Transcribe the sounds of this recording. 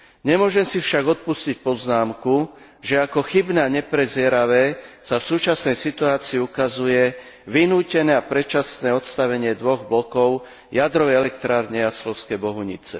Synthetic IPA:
ɲɛmʊɔʒɛmsifʃaɡɔt̪̚puscic̚pɔznaːmku | ʒɛakɔxibnɛaɲɛpɾɛzɪɛɾaʋɛːsafsuːt͡ʃasnɛjsit̪uaːt͡siːukazujɛ | ʋinuːcɛnɛːapɾɛt͡ʃasnɛːɔt̪st̪aʋɛɲɪɛd̪ʋɔɣblɔkɔʊ | jad̪ɾɔʋɛjɛlɛkt̪ɾaːɾɲɛaslɔʊskɛjbɔɦuɲḭt͡sɛ̰

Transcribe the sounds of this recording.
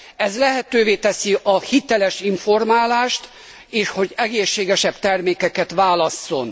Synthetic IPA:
ɛzlɛɦɛt̪øːveːt̪ɛsiʔɒhit̪ɛlɛʃiɱfo̞rmaːlaːʃt̪ | eːʃho̞ɟɛɡeːʃːeːɡɛʃɛb̥t̪ɛrmeːkɛkɛt̪ʋaːlɒsːo̞̰n

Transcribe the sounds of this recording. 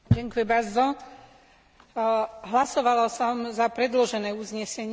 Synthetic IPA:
ɟɛŋkujɛbazd̪ɔ | ɦlasɔʋalasɔmzapɾɛd̪lɔʒɛnɛːuzɲɛsɛɲ

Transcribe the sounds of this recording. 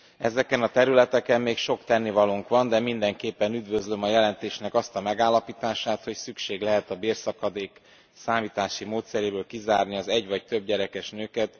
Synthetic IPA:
ɛ̰zɛkɛnɒt̪ɛɾylɛt̪ɛkɛmmeːkʃo̞kt̪ɛnːivɒluŋkʋɒnd̪ɛmind̪ɛŋkeːpːɛnyd̪vø̞zlø̞mɒjɛlɛnt̪eːʃnɛkɒst̪ɒmɛɡaːlːɒpiːt̪aːʃaːt̪ho̞csykʃeːɡlɛɦɛt̪ɒbeːrsɒkɒd̪eːk | saːmiːt̪aːʃimoːt̪sɛɾeːbøːlkizaːrniɒzɛɟvɒct̪ø̞b̚ɟɛɾɛkɛʃnøːkɛt̪

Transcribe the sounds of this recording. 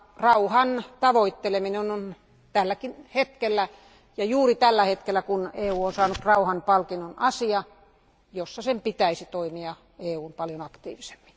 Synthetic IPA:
rɑuhɑnt̪ɑʋoit̪ːelemineonon | t̪ælːækinhet̪kelːæ | jɑjuːrit̪ælːæhet̪kelːˑækuneːuːonsɑːnut̪rɑuhɑnpɑlkinːonɑsiɑ | josːɑsempit̪æisit̪oimiɑ | eːuːnpɑljonɑkt̪ḭːʋise̥mːi̥

